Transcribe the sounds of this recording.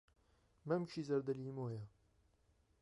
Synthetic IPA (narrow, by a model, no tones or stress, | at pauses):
mɐmt͡ʃʰiːzɐɾd̪ɐliːmoːjɐ